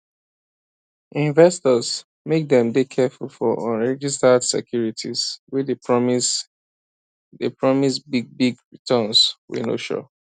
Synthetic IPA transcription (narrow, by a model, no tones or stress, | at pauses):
ʔĩnvɛstɔz | mek̚dɛ̃mdekʰɛfulˠfɔʔɔ̃nɹɛd͡ʒistədsɛ̰kʰjuɹitʰiz̥wid | depɹɔmisbiɡ̚biɡɹitʰə̃nswḭno̰ʃɔ̰